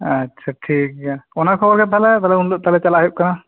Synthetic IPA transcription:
atːʃʰaʈʰik̚ɔnakʰɔbɔɾkɛt̪alɛt̪alɛunloʔ̚t̪alɛt͡ʃalaɦip̚kana

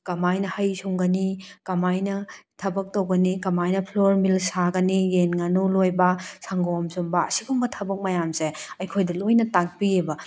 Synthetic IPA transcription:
kɐmajnɐhɐjsʰuŋɡɐnikɐmajnɐtʰɐbɐk̚towɡɐnikɐmajnɐpʰloɾmilsaɡɐnijenŋanulojbɐsaŋɡɔmsumbɐ̰ːsiɡuŋɡɐtʰɐbɐk̚mɐjamseɐjkʰojdɐlojnɐtak̚piebɐ

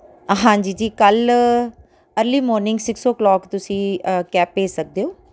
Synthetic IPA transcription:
ɦãːd͡ʒiːd͡ʒiːkəl | əɾliːmɔːɾnɪŋɡsɪksoːklɔːkt̪ʊsĩːkɛːpːeːsək̚d̪eːoː

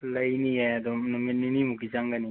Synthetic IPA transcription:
ləjniɛd̪ɔnmininimukit͡ʃaŋɡani

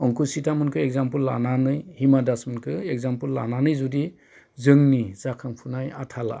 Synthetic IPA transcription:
ɔŋkusitamɯnkʰɯek̚zampɯlːa̰nanɯjhimadasmɯnkʰɯeɡ̚zampɯlːa̰nanɯjzudi | zɯŋnizakʰaŋpʰunajatʰala̰

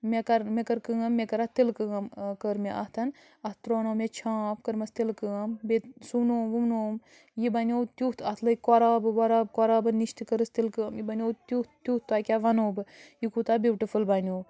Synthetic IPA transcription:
mekɐɾmekɐɾkɨɐmːekɐɾɐt̪ilkɨɐmkəɾmeʔɐht̪ʰɐn | ɐt̪t̪ɾoːnoːmet͡ʃʰãːpkəɾmɐst̪ilkɨɐmbesumnoːmʋumnoːm | jibɐnʲoːt̪ʲjut̪ʰɐt̪ʰlɐkoɾaːbɨʋɐɾaːb̚koɾaːbɨniʃt̪kəɾɨst̪ilkɨɐmjibɐnʲoːt̪ut̪t̪uːht̪aːkʲaːʋɐnoːbɨjikut̪aːbuwʈifulbaːnʲoː

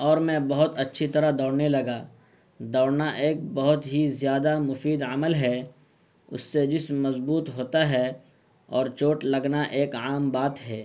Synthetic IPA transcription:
ɔːɾmɛ̃bɐɦʊt̪ɐtːʃʰit̪ɐɾad̪ɔːɽnelɐɡaː | d̪ɔːɽnaʔeːk̚bɐɦʊt̪ɦizjaːd̪amʊfiːd̪ɐməlɦɛ | ʊ̰sːed͡ʒɪsmɐzbuːt̪ɦoːt̪aɦɛ | ɔːɾt͡ʃoːʈlɐɡnaʔeːkaːmbaːt̪ɦɛː

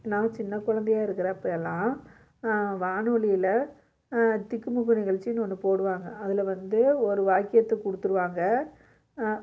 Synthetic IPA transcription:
nãːt͡ʃɪnːɐkʊɻɐnd̪ɛjaːɪɾɯkːɪɾɐɐpːɐjɛlːãː | ʋaːɳoɭɪjɪlɐ | t̪ɪkːɯmʊkːɯnɪɣɐɭt͡ʃɪnːɯɔnːɯpoːɽɯʋaːŋɡɐɐðɪlɐʋɐnd̪ɯɔɾɯʋaːkːɪjɐt̪ːɐkʊɽɯt̪ːɯɾɯʋaːŋɡɐ

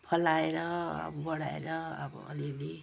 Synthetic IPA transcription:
pʰʌlaeɾʌa̰bʌbʌɽaḛɾʌːbʌ̰ʌlili

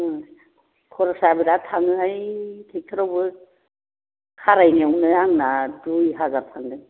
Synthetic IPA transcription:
kʰɔɾɔsabidatʰaŋɯajtʰek̚tʰɯɾawbɯ | kʰaɾajneumnɯjaŋnadujɦazaɾpʰaŋdɯŋ

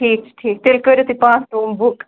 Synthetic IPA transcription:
ʈʰiːk̚ʈʰiːk̚t̪elkəɾot̪ipãːsʈoːmbʊk

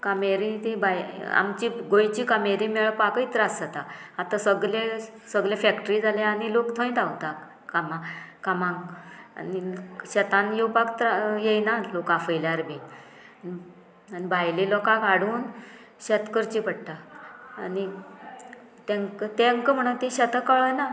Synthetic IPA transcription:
kameɾĩt̪ibaja̰mt͡ɕiɡojt͡ɕikameɾĩmɛɭpakəit̪ɾasat̪aat̪asəɡle | səɡɭlẽfɛkʈɾiːd͡zʱalaaɽilokt̪ʰõj̃t̪awt̪a | kamãkamãŋɡa̰niɕɛt̪ãnjewpakt̪ɾajejnalokãfəjljaɾbʱi | i | anibʱajlelɔkãkaɽuːn | ɕɛt̪kəɾt͡ɕipəɽʈaani | t̪ẽŋkət̪eŋkəm̤əɽ̃ət̪ĩɕɛt̪əkəɭəna

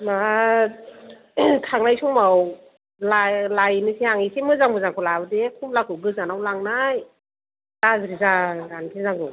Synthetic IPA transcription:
ma | tʰaŋnajsuŋmaw | lalajnɯsiaŋisimɯzaŋbɯzaŋkʰulawdekʰumlakʰɯɡɯzanawlaŋnaj | lazɾizaɡankʰizaŋbɯ

